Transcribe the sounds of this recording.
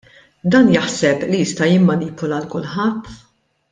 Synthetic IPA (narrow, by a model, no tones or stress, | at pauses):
d̪ɐːnjɐħsɛplijɪst̪ɐjɪmːɐniːpɔlɐlkʊlħɐt̪ː